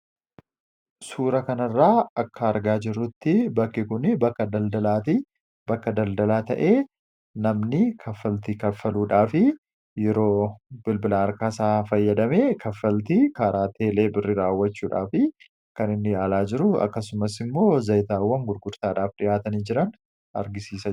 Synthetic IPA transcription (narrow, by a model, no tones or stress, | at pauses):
suːɾɐkɐnɐrːaːɐkːɐɐɾɡaːd͡ʒɪrːʊt̪ːɪbɐkːɪkʊnɪbɐkːɐd̪ɐld̪ɐlaːt̪ɪ | bɐkːɐd̪ɐld̪ɐlaːt̪ɐ̰ʔe̞ː | nɐmnɪkʰɐfːɐlt̪iːkɐfːɐluːᶑaːfɪ | jɛɾo̞ːbɪlbɪlaɐɾkaːsaːfɐjːɐd̪ɐmeːkʰɐfːɐlt̪iːkaːɾaːt̪ʰe̞ːle̞ːbɪrːɪɾaːwːɐt͡ʃːuːᶑa̰ːfɪ | kɐnɪnːɪjaːlaːd͡ʒɪɾʊɐ̰kːɐsʊmɐsɪmːo̞ːzɐjt̪aːwːɐŋɡʊɾɡʊɾt̪aːᶑaːfᶑɪjaːt̪ɐniːd͡ʒɪɾɐn | ɐ̰ɾɡɪsiːsɐ